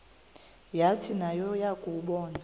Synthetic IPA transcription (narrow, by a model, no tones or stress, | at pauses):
jatʰinajɔjakʼuɓɔːna